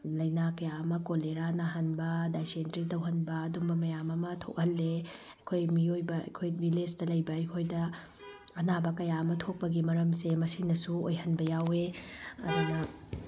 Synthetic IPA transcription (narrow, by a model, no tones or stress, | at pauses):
lɐjnakɐjaɐmɐkoleɾanɐɦɐnbɐdajsentɾitɐwɦɐnbɐːdumbɐmɐjamɐmɐtʰo̰k̚hɐlːe | ɐjkʰojmiojbɐɐ̰jkʰojbilesdɐlɐjbɐːjkʰojdɐ | ɐnabɐkɐjaɐmɐtʰok̚pɐɡimɐɾɐmsemɐsinɐsuo̰jɦɐnbɐjaweɐdunɐ